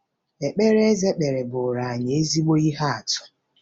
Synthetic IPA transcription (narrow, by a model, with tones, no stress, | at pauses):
e˨k͡pe˦ɾe˦e˦ze˦k͡pe˨ɾe˨bʊ˨ɾa˨a˨ɲ˨e˦zi˦ɡ͡bo˦i˦ɦa˦a˨tʊ̥˦